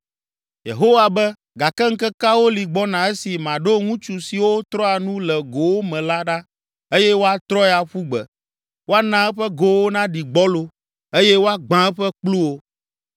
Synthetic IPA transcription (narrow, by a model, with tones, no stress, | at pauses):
jḛ˨ɦo˦wa˨bɛ˦ | ɡa˨kɛ˦ŋ̩˦kɛ˦ka˦wo˦li˨ɡ͡bɔ˦nã˨ɛ˦si˨mã˨ɖo˦ŋũ˦t͡ʃu˨si˨wo˦t̪ɾɔ˦a˨nũ˦lɛ˨ɡo˨wo˦mɛ̃˨la˦ɖa˦ | e˦jɛ˦wo˦a˨t̪ɾɔ˦ɛ˦˨a˨ɸu˦ɡ͡bɛ̰˨ | wo˦a˦nã˦ɛ˦ɸɛ˦ɡo˨wo˦nã˦ɖi˨ɡ͡bɔ˦lo˦ | e˦jɛ˦wo˦a˦ɡ͡bã˦ɛ˦ɸɛ˦k͡plu˦wo˦